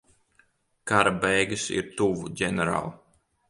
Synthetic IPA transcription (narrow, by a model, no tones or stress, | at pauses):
kaɾabɛjɡɨsḭɾt̪uvuɟʲɛnɛɾa̰ːlˠ